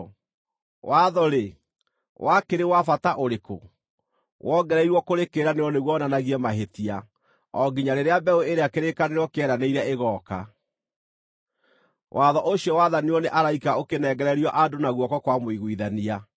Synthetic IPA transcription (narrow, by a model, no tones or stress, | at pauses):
waðɔɾe | wʔakeɾewafataʔoɾeko̰ | wʔɔɡɛɾɛiɾwɔkoɾekeːɾaneɔneɣwɔnanaɣiɛmaɦetia | ɔɡiɲaɾeɾeabɛoeɾeakeɾekaneɾɔkeɛɾaneiɾaeɣɔka̰ | wʔaðɔʔoɕiɔwaðaneɔneʔaɾaikaokenɛɡɛɾɛɾiɔʔadonaɣwɔkɔkwamoiɣwiðania